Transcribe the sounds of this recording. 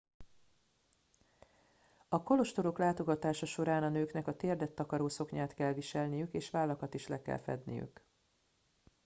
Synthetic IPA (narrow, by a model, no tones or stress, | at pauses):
ɒko̞lo̞ʃt̪o̞ɾo̞klaːt̪o̞ɡɒt̪aːʃɒʃo̞ɾaːnɒnøːknɛkɒt̪eːrd̪ɛt̪ːɒkɒɾoːso̞kɲaːt̪kɛlviʃɛlnijykeːʃʋaːlːɒkɒt̪iʃlɛkɛ̰lfɛ̰d̪nḭjy̰k